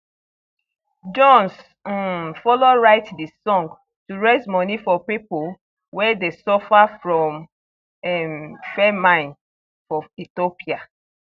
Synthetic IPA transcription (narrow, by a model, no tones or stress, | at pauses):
d͡ʒɔ̃ns | fɔloɹaɪtdisɔ̃ŋɡ | tuɹezmɔnifɔpipol | wɛdesɔfafɹɔ̃m | ɛmfɛmãɪ̃n | fɔitopia